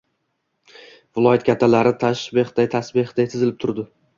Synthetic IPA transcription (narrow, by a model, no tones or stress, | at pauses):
vɪlˠɒjat̪̚kʲʰat̪ʰːalaɾɪt̪ʰaʃbehd̪̥ajt̪ʰasbɪhd̪ajt̪ʰɪzɪlɪp̚t̪ʰʊɾd̪ɪ